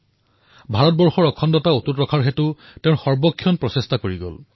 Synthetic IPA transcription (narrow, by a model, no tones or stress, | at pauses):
bʱaɹɔt̚bɔɹxɔɹɔkʰɔndɔtaututɹɔkʰaɹɦetʊ | tẽʊnxɔɹbɔkʰːjɔnpɹɔsestakoɹiɡɔ̰l